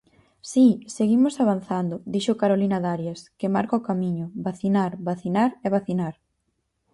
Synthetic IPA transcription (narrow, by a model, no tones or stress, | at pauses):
siseɣimosaβanθand̪ʊd̪iʃokaɾolinaðaɾjaskɪmaɾkaokamiɲʊbaθinaɾβaθinaɾeβ̞aθinaɾ